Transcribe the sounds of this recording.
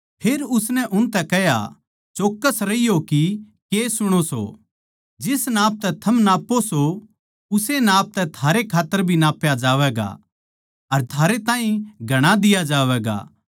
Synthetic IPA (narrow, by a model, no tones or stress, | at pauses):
pʰeːɾʊsnɛʔʊnt̪ɛkɛɦja̰ | t͡ʃoːkːəsɾɐijoki | keːsʊɽ̃oso̰ | d͡ʒɪsnaːp̚t̪ɛt̪ʰɐmnaːpːoso | ʊsenaːp̚t̪ɛt̪ʰaːɾekʰaːt̪ːəɾbʱinaːpːjad͡ʒaːʋɛːɡa̰ | ɐɾt̪ʰaːɾet̪ãːĩɡʱɐɽ̃ad̪ɪjad͡ʒaːʋɛːɡa̰